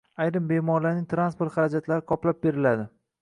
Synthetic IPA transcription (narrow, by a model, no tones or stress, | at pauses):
ajɾɪmbe̞mɒɾlaɾnɪŋt̪ɾanspoɾt̪χɑɾad͡ʒat̪laɾɪqʰɒplap̚be̞ɾɪlad̪ɪ